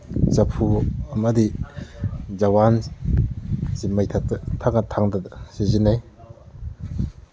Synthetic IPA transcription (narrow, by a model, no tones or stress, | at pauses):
t͡ʃapʰuamad̪i | zawan | simajtʰakt̪ʰakat̪ʰaŋdasizinaj